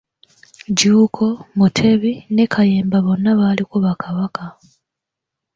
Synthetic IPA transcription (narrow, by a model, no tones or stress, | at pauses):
ɟuːkʰo̞mutʰe̞βine̞kʰajeːmbaβo̞nːaβalikuβakʰaβaka